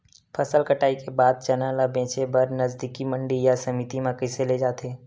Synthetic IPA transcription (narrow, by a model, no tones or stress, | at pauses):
pʰəsəlkəʈaːikebaːd̪̚t͡ʃənalabẽːt͡ʃebəɾnəzd̪ikiməɳɖijasəmit̪imãkəɪseled͡ʒaːt̪eː